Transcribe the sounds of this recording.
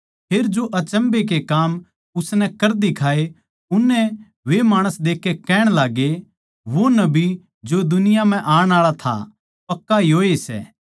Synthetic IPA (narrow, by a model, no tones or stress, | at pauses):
pʰeːɾd͡ʒoʔɐt͡ʃə̃mbek̬ekaːm | ʊsnɛkɐɾd̪ikʰaːe | ʊnːɛ | ʋemaːɽ̃əsd̪eːkːekɛːɽ̃laːɡe | ʋonɐbi | d͡ʒod̪ʊnɪjam̤ɛ̃ʔaːɽ̃aːɭat̪ʰa̰ | pɐkːaiɦoːesɛ̰ː